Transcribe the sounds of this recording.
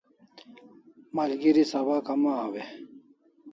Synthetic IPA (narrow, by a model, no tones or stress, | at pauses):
maːlɡiɾisabaːkɐmaawe